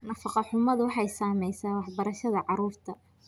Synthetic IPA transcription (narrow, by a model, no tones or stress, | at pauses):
nɐfɑqɑħʊmɐðʊwɑħɑjsaːmɛjsaːwɑħbɐɾɐʃɐðɐʕɑɾuːrt̪ʰɐ